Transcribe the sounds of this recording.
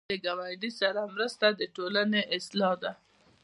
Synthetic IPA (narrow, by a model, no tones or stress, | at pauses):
əɡawajɖisaɾamɾəst̪ad̪əʈolaneʔɪslɑd̪a